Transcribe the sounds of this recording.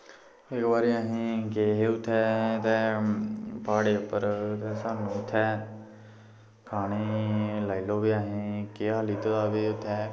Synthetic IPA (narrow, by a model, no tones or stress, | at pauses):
ekʋaːɾiaːɦĩkeːɦeut̪ʰɛːt̪ɛː | paːɽepəɾt̪ɛːsãːnũt̪ʰɛː | kʰaːñiːlailoːbiaːɦĩkeːɦaliːt̪oaːʋeːt̪ʰɛː